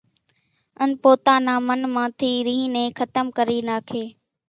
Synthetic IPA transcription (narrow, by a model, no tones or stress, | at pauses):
ənpoːt̪aːnãːmənmãːt̪ʰiːɾiɦĩnẽːxət̪əmkəɾiːnaːkʰeː